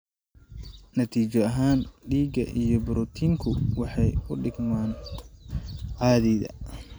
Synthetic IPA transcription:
nɐt̪ʰiːt͡ʃɔɐɦaːnɖiːɡɐ̰ʔijɔbʊɾut̪ʰiːŋkʰʊwɑħɑjʊɖɪɡmaːn | ʕɑːðɛːðɐ̰

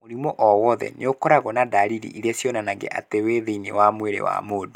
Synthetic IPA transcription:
moɾimɔʔɔwɔðɛ̰neokɔɾaɣɔnadaɾiɾḭiɾiasjɔnanaŋɡḛʔa̰teweðeinḛwamweɾḛwa̰modo

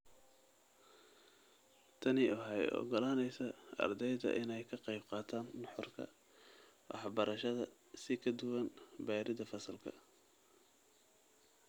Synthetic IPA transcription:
t̪ʰɐnɪʊɦɑjɔ̰ɡɔlaːnɛjsɐɐ̰rd̪ɛjðɐ̰ʔɪnɛjkʰɐqɑjbqɑːt̪ʰaːnːɑħɔrkʰɐ̰ | wɑ̰ħɑbɐɾɐʃɐðɐ | sɪkʰɐd̪ʊwɐnbɛːɾɪðɐfɐsɐlkʰɐ̰

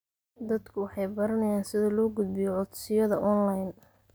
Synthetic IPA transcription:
d̪ɐd̪kʰʊwɑħɑjbɐɾɐnɐjaːnsɪðɐlɔːɡʊd̪̚bɪjɔʕʊd̪sɪjɐðɐʔɔnlajn

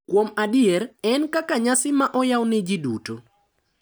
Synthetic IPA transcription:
kwomadɪɛɾɛnkakaɲasɪmaʔɔjawnɛd͡ʒiduto

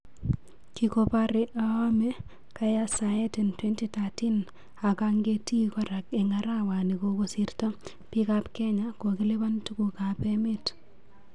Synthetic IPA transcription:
kikopaɾiʔaame | kajasajetintwentitatin | akaŋɡetikɔɾakeŋaɾawanikokosirta | pikapkɛɲakokilebantukukapemet

